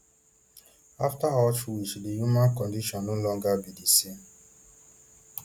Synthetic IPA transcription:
aftaɦɔt͡ʃwisidijumãnkɔndiʃɔnːʊlɔŋɡabidisi

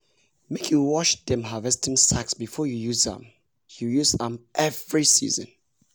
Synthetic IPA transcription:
mekʰjuwɔʃdɛ̃mɦavɛstʰĩmsaksbifɔjujuzã̰m | jujuzãmʔɛvɹisḭzə̰̃n

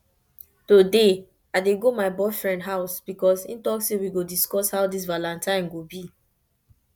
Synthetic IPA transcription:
tode | aɪdeɡomaɪbɔɪfɹɛ̃ndɦaʊsb̥ikɔsḭ̃ntɔksewiɡodiskɔshaʊdis̬valãntãɪ̃nɡobi

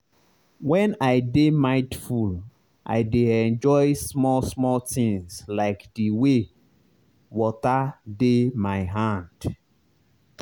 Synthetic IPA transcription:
wɛ̃naɪdemaɪtful | ʔa̰ɪdeɛ̃nd͡ʒɔɪsmɔlsmɔltĩŋslaɪkdiwe | wɔtademaɪɦãnd̥

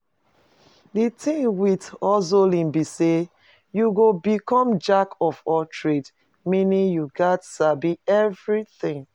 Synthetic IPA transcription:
ditʰĩŋwitɔzolĩnbise | juɡobikɔ̃md͡ʒakɔfɔtʰɹet | mĩnĩŋjuɡatsabiɛvɹiθĩŋ

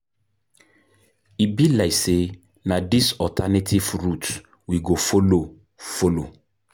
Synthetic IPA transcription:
ibilajse | nãdisɔltʰanetʰivɾut | wiɡofolo | folo̰

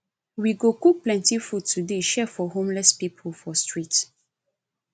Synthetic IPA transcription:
wiɡokuk̚plɛ̃ntifutːudeʃɛfɔɦõmlɛspipʰɔfɔstɹit

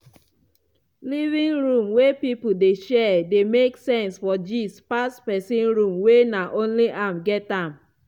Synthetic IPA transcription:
livĩŋɹũmwepipodeʃɛdemeksɛ̃nsfɔd͡ʒispastpɛsĩnɹũmwenaʔõnliʔãmɡɛtãm

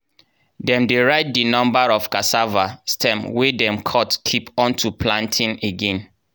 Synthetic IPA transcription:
dɛ̃mdeɹaɪt̚dinɔ̃mbaɹɔfkasavastʰɛ̃mwedɛ̃mkʰɔtkʰipɔ̃ntʰupʰlãntʰĩneɡɛ̃n

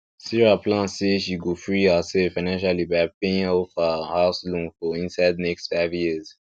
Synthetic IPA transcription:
siɹaplãnseʃiɡofɹihəsɛfaɪnãnʃalibaɪpeĩŋɔfəhaʊslũnfɔĩnsaɪdnɛkstfaɪvjiz̥

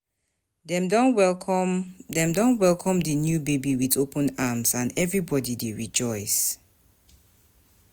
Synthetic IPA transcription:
dɛmdɔnwɛ | dɛ̃mdõnwɛlkʰɔ̃mdənjubebiwiθopʰə̃namzãnɛvɹibɔdideɹid͡ʒɔɪs

